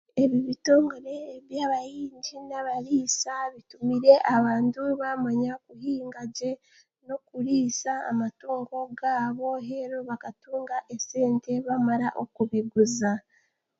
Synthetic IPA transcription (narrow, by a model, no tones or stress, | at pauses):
e̞βiβito̞ːŋɡoɾe̞ːβjaːβajiːɲɟinaβaɾiːsaβitumiɾe̞ʔaβaːntuβamaɲakuɦiːŋɡaɟe̞ | no̞kuɾiːsa̰ːmatuːŋɡo̞ɡaːβo̞ɦe̞ɾoβakatuːŋɡaʔe̞se̞ːnte̞βamaɾaʔo̞kuβiɡuza